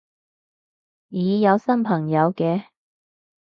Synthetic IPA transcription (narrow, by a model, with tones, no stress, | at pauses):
jiː˨˧jɐ˨˧wsɐ˥npʰɐ˨˩ŋjɐ˨˧wkɛː˧